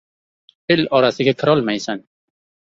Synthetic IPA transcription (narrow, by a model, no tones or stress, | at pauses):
elɒɾasɪɡʲakʰɪɾɒlˠmajsan